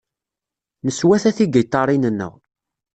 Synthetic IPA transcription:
nəswæθæθiɡəjt̪ˤːɑɾˤinənːə̰ʁ

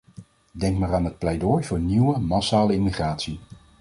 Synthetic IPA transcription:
dɛŋkmaːraːnɦət̚plɛjdɔjvʊːɹniwəmasaːləɪmiχraːtsi

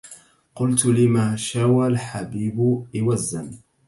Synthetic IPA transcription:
qʊlt̪lɪmaːʃawalħabiːbʊʔɪwazːan

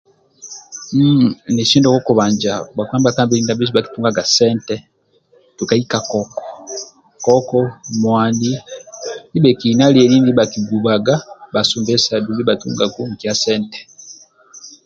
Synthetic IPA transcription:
m̩net͡ʃiːndokokuβaːɲd͡ʒabakwaːmbakaːmbiɾiːndabisiβaki̥tuːŋɡaɡaseːnte | tukaikakoko̥ | kokomwaːndi | niβekinalieliːndiiβakiɡuβaɡabasuːmbesaduliβatṵːŋɡaɡuŋkjaseːnte̥

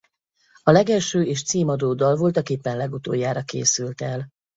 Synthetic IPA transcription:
ɒlɛɡɛlʃøːeːʃt̪siːmɒd̪oːd̪ɒlvo̞lt̪ɒkeːpːɛnlɛɡut̪o̰ːjːaːɾɒkḛːsylt̪ɛl

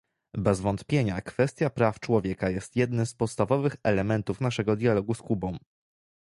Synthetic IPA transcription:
bɛzvɔnt̪pʲjeɲakfɛst̪ʲjapɾaft͡ʂwɔvʲjɛkajɛst̪jɛd̪nɘmspɔt̪st̪avɔvɘxɛlɛmɛnt̪ufnaʂɛɡɔd̪ʲjalɔɡuskubɔ̃w̃

